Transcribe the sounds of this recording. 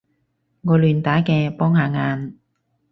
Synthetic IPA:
ŋɔː˨˧lyː˨˧nt̪aː˨˥kɛː˧pɔː˥ŋhaː˨˧ŋaː˧n

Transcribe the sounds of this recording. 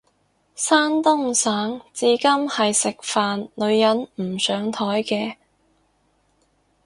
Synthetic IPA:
saː˥nt̪ʊ˥ŋsaː˨˥ŋt͡siː˨˧˥kɐ˥mhɐ˨jsɪ˨k̚faː˨nlɵ˨˧ɥjɐ˨˥nm̩˨˩sœː˨˥ŋt̪ʰɔː˨˥jkɛː˧

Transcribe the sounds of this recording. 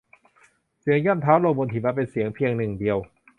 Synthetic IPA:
si˨˩˦əŋjɔ˥˩mt̪ʰaː˦˥wlo˧ŋbo˧nt̪ʰi˨˩maː˧pe˧nsi˩˦əŋpʰi˧əŋnɯ˨˩ŋdi˧əw

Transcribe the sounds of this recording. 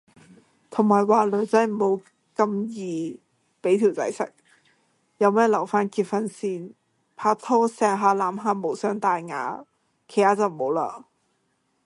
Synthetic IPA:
t̪ʰʊ˨˩ŋmaː˨˩jwaː˨˩lɵ˨˥ɥt͡sɐ˧˥m̩˨˩ho˨˧w | kɐ˧mjiː˨ | pe˨˥jt̪ʰiː˨˩wt͡sɐ̰˨˥jsɛ̰˨˩k̚ | jɐ˨˧wmɛː˥lɐ˨˩wfaː˥nkiː˧t̚fɐ˧nsiː˧n | pʰaː˧t̪ʰɔː˥sɛː˨˧ɦaː˧˥laː˨˥mɦaː˧mo˨˩wsœː˨˥ŋt̪aː˨jŋa̰ː˨˥ | kʰe˨˩jtaː˨˥t͡sɐ˨wmo˨˧˥wla̰ː˧

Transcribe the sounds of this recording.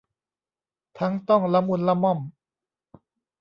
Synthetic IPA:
t̪ʰa˦˥ŋt̪ɔ˥˩ŋla˧˥mu˧˥˨nla˧˨mːɔ˥˩m

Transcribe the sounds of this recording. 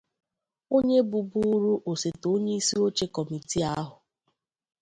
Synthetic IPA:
o˦ɲe˦bʊ˨bu˦ɾu˦ʔo˨se˨to˦ɲe˦i˦si˦o˦t͡ʃe˦kɔ˨mi˨ti˦a˦ɦʊ˨

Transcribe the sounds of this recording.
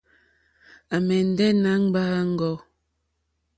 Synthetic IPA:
a˨mɛ˨n̩˨˦dɛ˦na˦ŋ˦ɡ͡baː˦ŋ̩˦ɡɔ˦

